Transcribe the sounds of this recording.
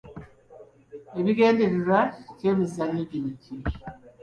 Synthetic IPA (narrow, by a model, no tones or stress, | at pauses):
eβiɡe̞ːndeɾeɾaiceβizaniɟinici